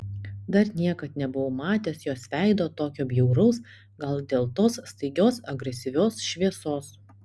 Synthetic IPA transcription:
d̪ɐɾnʲiɛkɐt̪nʲɛbʊʋomɑːt̪ʲeːsjoːsʋʲæˑɪd̪oːt̪oːkʲoːbʲjuʊɾɐʊs | ɡɐlˠd̪ʲeːlˠt̪oːsst̪ɐɪɡʲoːsɐɡɾʲɛsʲɪʋʲoːsʃʲʋʲiɛsoːs

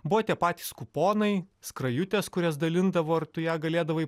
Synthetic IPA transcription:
bʊʋɐt̪ʲiɛpɑːt̪ʲiːskʊpoːnɐɪskɾɐjʊt̪ʲɛskʊɾʲɛsd̪ɐlʲɪnd̪ɐʋoːɐɾt̪ʊjæːɡɐlʲeːd̪ɐʋɐɪ

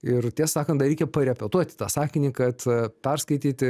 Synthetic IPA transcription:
ɪrt̪ʲiɛssɑːkɐnt̪d̪ɐɾʲɛɪkʲɛpɐɾʲɛpʲɛt̪uɔt̪ʲɪ̥t̪ɑːsɑːkʲɪnʲiːkɐt̪pʲɛrskɐɪt̪ʲiːt̪ʲɪ

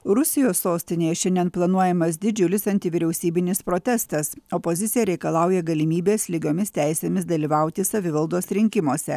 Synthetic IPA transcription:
ɾʊsʲɪjoːsːoːsʲt̪ʲɪnʲeːjɛʃʲɛnʲd̪ʲiɛnplˠɐnuɔjɛmɐs̬d̪ʲɪd͡ʒʲʊlʲɪsɐnʲt̪ʲɪʋʲiɾʲɛʊsʲiːbʲɪnʲɪspɾoːt̪ʲɛst̪ɐsɔpozʲɪt̪sʲɪjɛɾʲɛɪkɐlˠɑˑʊjɛɡɐlʲɪmʲiːbʲeːslʲɪɡʲoːmʲɪst̪ʲæɪsʲeːmʲɪsd̪ɐlʲiʋɐˑʊt̪ʲɪsɐʋʲɪʋɐlˠd̪oːsɾʲɪŋʲkʲɪmoːsʲɛ

